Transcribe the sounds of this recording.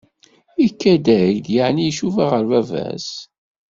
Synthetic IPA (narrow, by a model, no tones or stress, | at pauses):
ikːæd̪æjd̪jəʕnijʃuvaʁəɾvævæ̰s